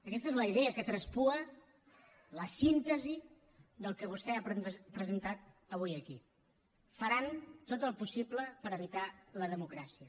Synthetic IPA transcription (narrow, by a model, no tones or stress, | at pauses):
əkɛst̪əezləiðɛəkət̪ɾəspuə | ləsint̪əzi | ðəlˠkəβ̞ust̪ɛapɾəzənt̪at̪̚ | əβujəki | fəɾant̪ot̪əlˠpusibləpəɾəβit̪aləðəmukɾasiə